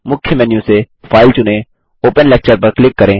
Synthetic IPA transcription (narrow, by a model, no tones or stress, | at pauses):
mʊkʰjəmɛːnjũse | fʰaːɪlt͡ʃʊnẽː | oːpənlɛːk̚t͡ʃəɾpɐɾklɪkːəɾẽː